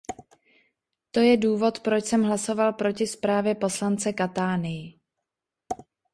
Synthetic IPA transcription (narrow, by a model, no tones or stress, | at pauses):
t̪o̞jɛduːvo̞t̪pɾo̞t͡ʃsɛmɦlaso̞valpɾo̞cɪspɾaːvjɛpo̞slant͡sɛkat̪aːnɪjɪ